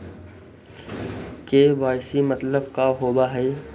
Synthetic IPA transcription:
keʋaːɪsimɐt̪ləb̚kaɦoːbaɦɛː

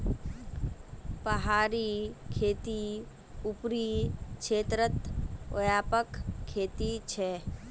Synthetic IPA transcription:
pəɦaːɾikʰeːt̪i | ʊpɾikʃʰeːt̪ɾət̪o̰jaːpəkʰːeːt̪it͡ʃʰɛː

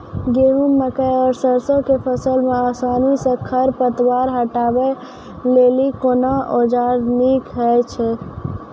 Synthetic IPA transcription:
ɡeumːəkəjɔɾsəɾsokepʰəsəlmeasanisə̃kʰəɾpət̪waɾɦəʈabɛ | lelikonaʔod͡ʒaɾnikɦɛt͡ʃʰɛ

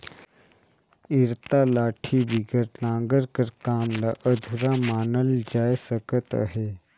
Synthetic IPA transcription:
iɾt̪alaʈʰiːbiɡəɾnãŋɡəɾkəɾkamlaʔəd̪ʱuɾamanəld͡ʑajsəkət̪a̰ɦe

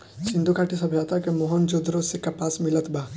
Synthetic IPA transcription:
sɪ̃nd̪ukʰaːʈisɐbʱjat̪ʰakemoɦɔnd͡ʒod̪ʱɾosekapaːsmɪlət̪baː

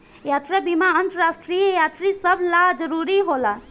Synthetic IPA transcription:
jat̪ɾabimaənt̪ɾasʈɾijəjat̪ɾisəbʱlad͡ʒəɾuɾiɦola

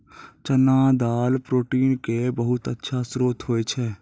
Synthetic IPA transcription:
t͡ʃənãːd̪aːlpɾoːʈiːnkebəɦʊt̪ətːʃʰasɾoːt̪ɦoːet͡ʃʰɛː

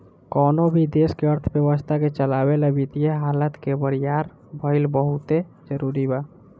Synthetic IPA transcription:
kɔːnobʱid̪eskeəɾt̪ʰbjəwəst̪ʰaket͡ʃəlaweləbit̪ijeɦaːlət̪kebəɾijaɾ | bʱəɪlbəɦut̪e | d͡ʒəɾuɾibaː

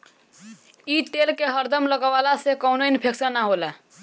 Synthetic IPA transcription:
it̪elkeɦəɾd̪əmləɡəʋalasekəʊnoinpʰeksənːaɦolɛ

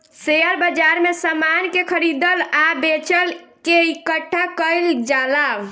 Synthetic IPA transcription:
sejəɾbəd͡ʒaɾmesəmankekʰəɾid̪əlabet͡ʃəlkeikəʈʰːakəjld͡ʒala

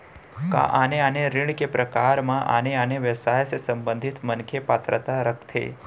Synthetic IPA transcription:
ka̰ʔaneaneɾɪɳ̃kepɾəkaɾmãʔa̰neaneʋəsaɦjsesəmbənd̪ʱit̪mənkʰjepat̪ɾət̪aɾəkʰt̪ʰḛ

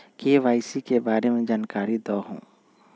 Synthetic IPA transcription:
keʋaːɪsikebaːɾemẽd͡ʒaːnkaːɾid̪ɔːɦṵ̃ː

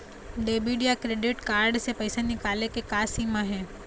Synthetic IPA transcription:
ɖebiɖijakɾeɖɪʈkaːɾɖsepəjsenikalekekaːsimãɦe

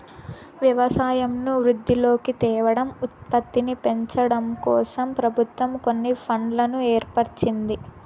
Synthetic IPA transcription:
ʋjɐʋɐsaːjɐmnuʋɾud̪ʱːilo̞ːkit̪ɛːʋɐɽɐmut̪̚pɐt̪ːinipe̞ɲt͡ʃɐɽɐmkɔːsɐmpɾɐbʱut̪ʋɐmko̞nːipʰɐɳlɐnueːɾpɐɾt͡ʃind̪i

